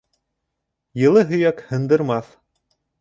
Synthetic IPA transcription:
jɤ̆lˠɤɦɵ̆jækhɤ̆nd̪ɤ̆ɾmɑθ

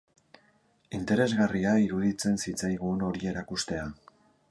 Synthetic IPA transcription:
int̪e̞ɾe̞zɣariaiɾuðit͡se̞nsit͡sajɣuno̞ɾie̞ɾakust̪e̞a

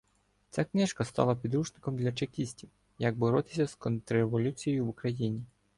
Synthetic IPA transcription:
t͡sʲaknɪʃkɐst̪ɑ̰lˠɐpʲid̪ɾuʃnɪkɔmd̪lʲɐt͡ʃekʲisʲtʲiw | jɐɡ̚bɔɾɔt̪ɪ̥sʲɐskɔnt̪ɾeʋɔlʲut͡sʲijejʊwʊkɾɐjinʲi

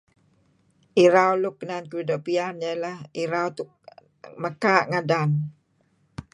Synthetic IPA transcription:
ʔiɾawlʊk̚ːnankəɾidɔʔpianjalahiɾawt̪ʊk̚ | məkaʔŋadan

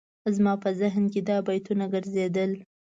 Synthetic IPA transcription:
zmɑpəzɪɦnked̪ɑbajt̪unaɡəɾzed̪əl

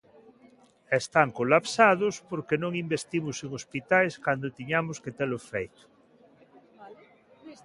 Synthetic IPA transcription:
est̪aŋkolapsaðospoɾkenõŋimbest̪imoseŋospit̪ajskand̪ot̪iɲamosket̪elofejt̪ʊ̥

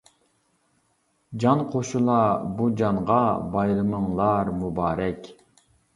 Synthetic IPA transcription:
d͡ʒɑnqʰoʃulˠɑbud͡ʒɑɴʁɑbɑjɾɨməŋlˠɑɾmubɑːɾɛkʲ

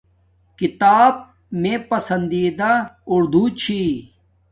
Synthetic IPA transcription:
kit̪aːb̚ | mẽːpɐsɐnd̪iːd̪aʊɾd̪ʱut͡ɕʰi

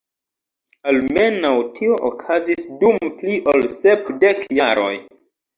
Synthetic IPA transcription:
alme̞nawtʰio̞ʔokʰazisdumpliʔolsepde̞kjaɾo̞̰j

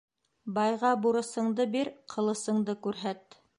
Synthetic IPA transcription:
bɑjʁɑbuɾɤ̆sɤ̆ɴd̪ɤbiɾqʰɤ̆lˠɤ̆sɤ̆ɴd̪ɤkʉɾɦæt̪

